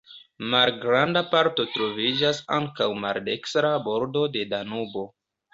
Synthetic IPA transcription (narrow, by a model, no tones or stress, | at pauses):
malɡɾandapaɾto̞tɾo̞vid͡ʒasa̰ŋkawma̰lde̞kstɾabo̞ɾdo̞de̞danubo̞